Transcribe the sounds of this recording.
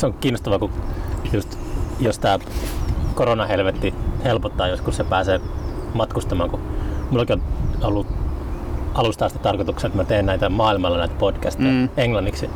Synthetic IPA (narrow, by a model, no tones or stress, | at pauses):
seoŋkiːnːost̪ɑʋɑkujust̪ | jost̪æː | koronɑhelʋet̪ːihelpot̪ːɑːjoskussepæːseːmɑt̪kust̪ɑmɑːŋkumulːɑkionolːu | ɑlust̪ɑːst̪it̪ɑrkot̪ukseet̪mæt̪eːnnæit̪æmɑːilmɑlːɑnæit̪æpod̥kæst̪ejæeŋlɑnːiksi